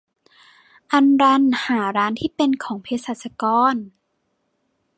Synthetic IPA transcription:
ʔa˧nɾa˧˥nhaː˩˦ɾaː˦˥nt̪ʰiː˥˩pe˧nkʰɔː˩˦ŋpʰeː˧sa˧˩sa˧kɔː˧n

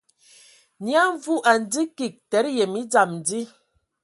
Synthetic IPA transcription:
nja˦ɱ˦vu˦ʔa˨n˨di˦ki˨k̚tɛ˨˦ɾjɛ˨mi˦d͡za˨mn˨di˦

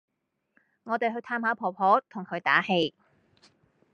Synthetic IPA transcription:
ŋɔː˨˧t̪e˨jɦɵ˧ɥt̪ʰaː˧mhaː˨˥wpʰɔː˨˩pʰɔː˨˥t̪ʰʊ˨ŋkʰɵ˨˧ɥt̪aː˨˥he˧j

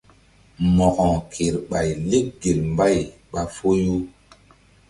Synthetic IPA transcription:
mɔ˨kɔ˨kʰe˨ɾɓa˨jle˦k̚ɡe˨lmba˦˨jɓa˨fo˦ju˦

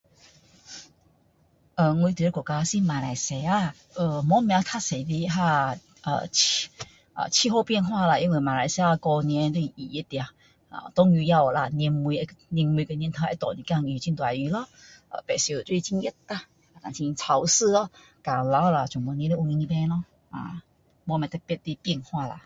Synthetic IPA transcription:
ʔə˧˨ŋwi˧t̪̬e˦kɔ˨˩ka˧si˧˦mã˨˩la˨˩jse˨˩˦a˧˩ | ə˧˩mɔ˨˦mj̃ã˧t̪ʰa˥˨se˨˩di˧˥ɦa˥˧ | ə̰˨˩t͡ɕʰ | ʔə̰˨t͡ɕʰi˧ho˥˧pjɛ˥˧nɦwa˥˧la˨˩ʔi˧˦nwe˨˩mã˨˩la˧˦jsa˧kɔ˧nĩ˧ɛ˧˦nt̪wi˧˨i˨˩i˦t̪ja˨˩ | a̰˨t̪ɔ˦ŋju˧ja˧˨la˧n˧nmwi˧e˦˧ni˧nm˧i˧kə˧nʲjnt̪ʰa˧e˦˧t̪ɔ˨nĩ˧˨ka˧ŋi˧˩˨t͡ɕi˧nt̪wa˨˩˧i˧˦lɔ˧˦ʔə̰˧˨pɛ˨˩si˧˨t̪u˧t͡ɕi˧ŋji˧˦ta˧ | a˨t̪ã˨t͡ɕĩ˧t͡sʰa˧˩wsɨ˥˧lɔ˧˦ | ka˨ŋla˧˦wla˧˨t͡ɕũ˨˩ŋmɔ˧˨˦nĩ˧˦e˧˦ʔu˧ŋi˧ni˧bẽ˧˦lɔ˧˦ | a̰˧˨ | mo˧˦mã˨˧˩t̪ɛ˧˩pt̚t̪i˧˦pji˧˨ŋhwa˥˧la̰˧˨

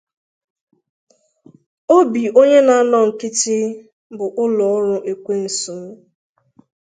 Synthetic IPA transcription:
o˦bi˨o˦ɲe˦na˨˦nɔ˦˨ŋ̩˨kɪ˦t͡ʃɪ˦ | bʊ˨ʔʊ˦lɔ˨ɔ˦ɾʊ˦ʔe˨kʷe˦n̩˨su˨˦

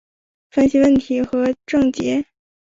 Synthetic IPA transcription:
fə˥nɕi˧wə˥˩nt̪ʰi˧˥xɤ˧˥ʈ͡ʂɤ˥˩ŋt͡ɕjɛ˧˥

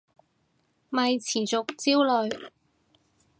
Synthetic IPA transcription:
mɐ˨jt͡sʰiː˨˩t͡sʊ˨k̚t͡siː˥wlɵ˨˧ɥ

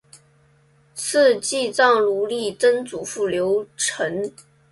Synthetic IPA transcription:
sɹ̩˥˧t͡ɕi˥˧t͡sɑ˥˩ŋlu˧˥li˥˩t͡sə˥nt͡su˨˩fu˥˩ljo˧˥ʊʈ͡ʂʰə˧˥ŋ

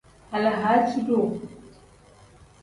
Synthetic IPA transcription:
a˨la˨ɦa˦t͡ʃi˦do˦˨

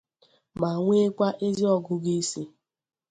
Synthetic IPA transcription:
ma˨ŋʷe˦kʷa˦ʔe˦zi˦ɔ˨ɡʊ˦ɡi˦si˦

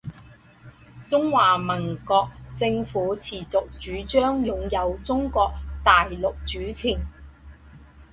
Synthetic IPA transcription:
t͡sʊ˥ŋwaː˨˩mɐ˨˩nkɔː˧k̚t͡sɪ˧ŋfuː˨˥t͡sʰiː˨˩t͡sʊ˨k̚t͡ʃyː˨˥t͡ʃœː˥ŋjʊ˨ŋjɐ˨˧wt͡sʊ˥ŋkɔː˧k̚t̪aː˨jlʊ˨k̚t͡ʃyː˨˥t̪ʰiː˨˩n

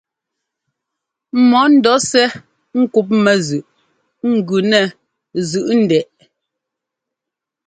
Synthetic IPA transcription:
mɔ˨˦n̩˦dɔ˨˦sɛ˦ | ŋ̩˦ku˦p̬̚mɛ˨zʉ˨ʔ | ŋ̩˨ɡʉ˨nɛ˨ | zʉ˨ʔn̩˦˨dɛ˨ʔ

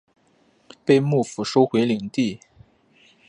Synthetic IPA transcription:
pe˥˧ɪmu˥˩fu˨˩ʂo˥ʊxwe˧˥ɪli˨˩ŋt̪i˥˩

